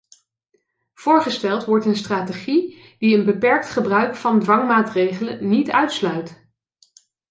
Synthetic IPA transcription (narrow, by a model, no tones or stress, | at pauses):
v̥ʊːɹχəstɛlˠtʋɔɹtənstraːteχi | d̥iənbəpɛɹk̚tχəbrœɥkfɑndʋɑŋmaːtrejχələ̰nitœɥtslœɥt